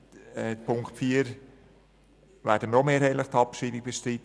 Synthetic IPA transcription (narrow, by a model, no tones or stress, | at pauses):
ɛpʰʊŋkχtfiːəɾ | ʋæːɾdəməomeːɾheːləχt̪ʰɑpʃiːbɪk̚b̥eʃtɾit